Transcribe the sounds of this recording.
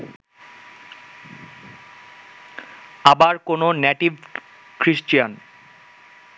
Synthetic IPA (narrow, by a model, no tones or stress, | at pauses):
abaɾkononeʈib | kɾiʃt͡ɕian